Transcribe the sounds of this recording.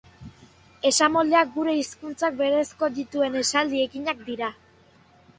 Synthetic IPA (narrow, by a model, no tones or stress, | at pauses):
e̞samo̞ld̪e̞ak̚ɡuɾe̞iskunt͡sak̚be̞ɾe̞sko̞d̪it̪ue̞ne̞sald̪ie̞kiɲak̚d̪iɾa